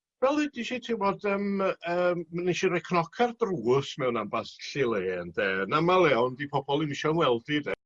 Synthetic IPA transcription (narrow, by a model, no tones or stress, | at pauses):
vɛlˠidiʃitʰɪvɔdəməːmmaniʃiɾɛkʰnɔkʰardruːʊsmɛwnambasɬɪlˠeːndɛːnamalˠɛɔndipʰɔbɔlˠimɪʃɔnwɛlˠdidɛ